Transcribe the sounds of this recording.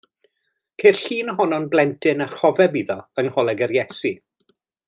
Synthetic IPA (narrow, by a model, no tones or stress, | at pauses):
kʰejr̥ɬiːnəɦɔnɔnblɛntʰɪnaχɔvɛbiðɔənhɔlˠɛɡɛɾjɛsi